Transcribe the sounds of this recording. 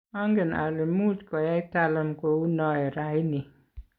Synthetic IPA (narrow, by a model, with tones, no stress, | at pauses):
a˦ŋɡe˨na̰˨le˨mu˦t͡ʃkɔ˨ja˦i˦ta˦lə˦mko˨u˦nɔ˦ɛ˨ɾa˨˦jni˨